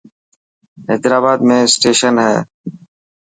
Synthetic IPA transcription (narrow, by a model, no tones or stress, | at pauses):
ɛ̰d̪ɾaːbaːd̪mẽːsʈeːʃənɦɛː